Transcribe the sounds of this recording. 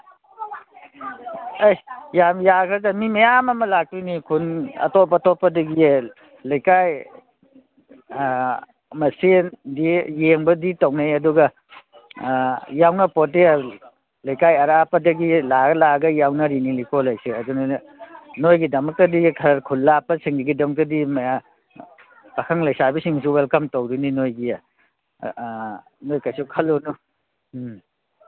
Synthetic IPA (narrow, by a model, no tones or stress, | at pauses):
ajjamjakʰɾɐdɐmimɐjamɐmɐlak̚tunikʰunɐ̰topːɐtopːɐdɐɡi | lɐjkaj | mɐsindijeŋbɐditɐwnajɐduɡɐ | jawnɐpote | lɐjkajɐɾapɐdɐɡilaɡɐlaɡɐjawnɐɾinilikolːajsiɐdunɐ | nojɡidɐmɐk̚tɐdikʰɐɾɾkʰulːapɐsiŋdɐɡidɐmɐk̚tɐdimɐja | pɐkʰɐŋlɐjsabisiŋs̬uwelkɐmtɐwɾininojɡi | nojkajsukʰɐlːonu